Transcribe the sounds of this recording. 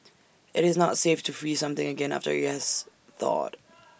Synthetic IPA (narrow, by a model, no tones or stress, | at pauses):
ɪɾɪznətseɪftʰəfɹiːsʌ̃mθɪ̃ŋəɡɛ̃na̰ftə̰jɛs | θɔ̰t